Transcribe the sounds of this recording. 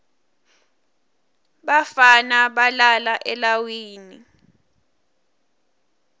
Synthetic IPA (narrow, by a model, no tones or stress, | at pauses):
ɓafanaɓalalaʔɛlawiːni